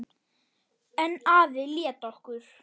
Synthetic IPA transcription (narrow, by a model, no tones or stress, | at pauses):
ɛnːaːðɪljɛːt̪ɔhkʏɾ̥